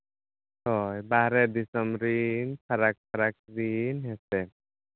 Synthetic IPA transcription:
hɔjbaɦɾɛd̪isɔmɾinpʰaɾak̚pʰaɾak̚ɾinɦɛsɛ

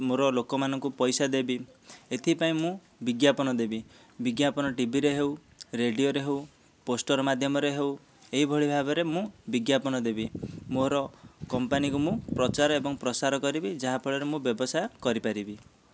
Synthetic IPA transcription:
moɾɔlokɔmanɔŋkupɔjsad̪ebiet̪ʰipaĩmũ | biɡjapɔnɔd̪ebi | biɡjapɔnɔʈibʱiɾeɦew | ɾeɖijoɾeɦew | posʈɔɾɔmad̪ʱjɔmɔɾeɦew | eɦibʱɔɭibʱabɔɾemũbiɡjapɔnɔd̪ebimoɾɔkɔmpanikumũpɾɔt͡ʃaɾɔebɔŋpɾɔsaɾɔkɔɾibid͡ʒaɦapʰɔɭɔɾemũbjɔbɔsajkɔɾipaɾibi

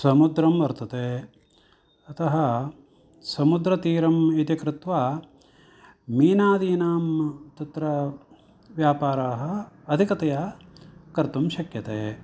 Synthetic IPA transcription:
sɐmud̪ɾɐmʋɐɾt̪ɐt̪eː | ɐt̪ʰɐɦɐ | sɐmud̪ɾɐt̪iːɾɐmit̪jikɾɪt̪ʋaː | miːnaːd̪iːnaːmt̪ɐt̪ɾɐ | ʋjaːpaːɾaːɦɐːd̪ʱikɐt̪ɐjɐ | kɐɾt̪umʃɐkjɐt̪eː

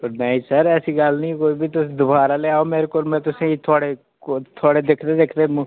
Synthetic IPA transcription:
poɾmɛ̃ːisəɾɛːsiːɡəlnĩːkoːiːbʱiːt̪ʊsd̪ʊbaːɾaːleːaːoːmeːɾekoːɾmɛ̃ːt̪ʊsẽːit̪ʰʊaːɽe | t̪ʰaːɽeːd̪eːkʰd̪eːd̪eːkʰd̪eːm̃ː

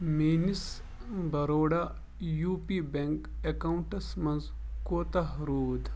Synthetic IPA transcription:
meːnis | bɐɾoːɽa | juːpibeŋkekauɳʈɐsmɐ̃nz | koːt̪ɐɦɾuːd̪

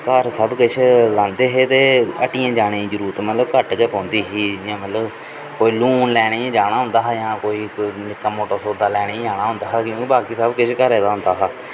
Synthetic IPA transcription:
kəɾsəbkɪt͡ʃʰlãːnd̪eːɦeːt̪eːəʈiːãːd͡ʒaːɽ̃ẽːd͡ʒəɾuːɾt̪mət̪ləbkəʈkəpɔ̃ːnd̪iːɦiːãːmət̪ləb | koːiːluːnlɛːɽ̃ẽːd͡ʒaːɽ̃aːɦʊ̃nd̪aːɦaːjãːkoːiːnɪkːaːmoːʈoːsoːd̪aːlɛːɽ̃eːd͡ʒaːɽ̃aːɦʊ̃nd̪aːɦkjõːkibaːkiːsəbkɪt͡ʃʰkəɾeːd̪aːɦʊnd̪aːɦaː

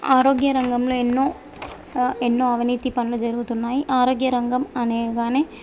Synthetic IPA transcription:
aːɾoːɡɪjɐɾɐŋɡɐmlõɛnːõː | ɛnːõːɐʋɐniːt̪ːipɐnːlɐd͡ʒɐɾɯʋɐt̪unːaːjiʔaːɾoːɡjɐɾɐŋɡɐmɐneːɣaːne

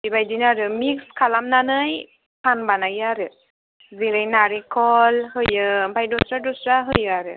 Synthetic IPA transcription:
bibajdinaɾɯmikskʰalamnanɯj | pʰanbanajaɾɯ | ziɾajnaɹikʰɔlhɯjɯbʱajdɔsɾadɔsɾaɦɯjɯaɾɯ

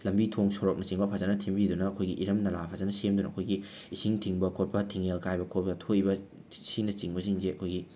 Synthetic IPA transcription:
lɐmbitʰoŋsoɾok̚nɐt͡ʃiŋbɐpʰazanɐtʰimbid̪unɐːkʰojɡiʔiɾɐmnɐlapʰazɐnɐsemd̪unɐɐkʰojɡi | isiŋtʰiŋbɐkʰot̚pɐtʰiŋelkajbɐkʰot̚pɐtʰoibɐ | sinɐt͡ʃiŋbɐsiŋzeɐkʰojɡi

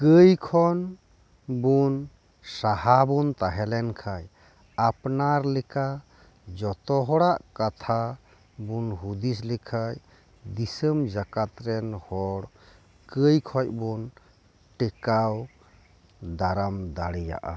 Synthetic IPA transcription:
kəjkʰɔn | bun | sahabunt̪aɦɛlɛnkʰaj | apnaɾlɛka | d͡ʒɔt̪ɔɦɔɽaʔkat̪ʰa | bunɦud̪is̬lɛkʰaj | d̪isəmd͡ʒakat̪ɾɛnhɔɽ | kəjkʰɔc̚bun | ʈɛkaw | d̪aɾamd̪aɽɛja̰ʔa̰

